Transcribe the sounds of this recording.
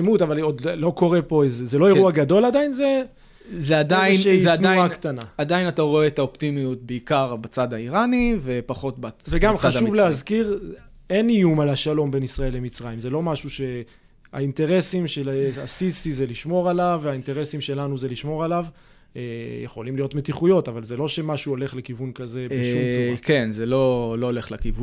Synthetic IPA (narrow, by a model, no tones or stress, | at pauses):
mut̪avalod̪lo̞ko̞ʁe̞po̞ezezelo̞eʁuaɡad̪o̞lad̪ainze | zead̪aiʃeiaaakt̪anaad̪ainat̪aʁo̞et̪aopt̪imijut̪̚beikaʁbat͡sad̪aiʁanivepaχo̞t̪̚baveɡamχaʃuvleazkiʁ | enijumalaʃalo̞mbe̞nisʁae̞lːemit͡sʁaimzelo̞maʃuʃe̞ | a̰int̪e̞ʁe̞simʃelasisizeliʃmo̞ʁalavainteʁe̞simʃe̞lanuze̞liʃmo̞ʁalav | ejeχo̞limlijo̞tme̞t̪iχujo̞tavalzelo̞ʃe̞maʃuo̞le̞χle̞kivunkaze̞beʃumkenzelo̞loːleχlakivu